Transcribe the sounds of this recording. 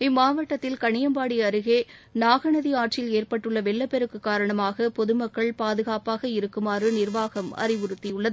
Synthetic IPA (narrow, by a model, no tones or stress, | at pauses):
ɪmːaːʋɐʈːɐt̪ːɪlkɐɳɪjɐmbaːɽiɐɾɯɣeːnaːɣɐɳɐðiaːʈ̚t͡ʃɪleːrpɐʈːɯɭːɐʋɛɭːɐpːɛɾɯkːɯkːaːɾɐɳɐmaːɣɐpɔðɯmɐkːɐɭpaːðɯɣaːpaːɣɐɪɾɯkːɯmaːrɯnɪɾʋaːɣɐmɐ̰rɪʋʊɾɯt̪ːijʊɭːɐðɯ